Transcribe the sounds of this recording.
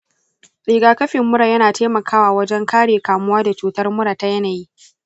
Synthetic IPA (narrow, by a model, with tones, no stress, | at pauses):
ɽiː˨ɡaː˨kɐ˦ɸɪ˨mːʊ˦ɽa˨jɐ˦naː˨tʰeː˦mɐ˨kʰaː˦waː˨wɐ˦d͡ʒɛ˦ŋkaː˦ɽeː˨kaː˨mʊ˦waː˦da˨t͡ʃuː˨tɐ˦rmʊ˦ɽaː˨ta˦jɐ˦naː˨jiː˦